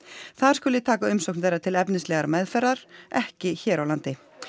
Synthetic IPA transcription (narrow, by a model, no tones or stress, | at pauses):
θaðɾ̥skʏːlɪt̪ʰaːkaʏmsowknθejɾːat̪ʰɪlɛpnɪnslɛːɣaɾmɛðfɛɾðaɾ̥ɛhcɪçɛːɾawlant̪ɪ